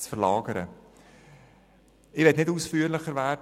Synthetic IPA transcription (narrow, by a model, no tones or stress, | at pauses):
t͡sfərlɑːɡəɾə̰ | ɪʋɛtnɪduːsfyːəɾlɪχəɾvæːrd